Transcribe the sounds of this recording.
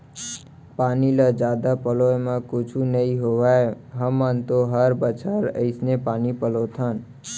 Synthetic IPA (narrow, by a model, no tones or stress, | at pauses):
panilad͡ʒaːd̪apəlojmãkʊt͡ʃʰunəiɦoʋae | ɦəmːãnt̪oɦəɾbət͡ʃʰaɾə̰ɪsnepaːnipəlot̪ʰən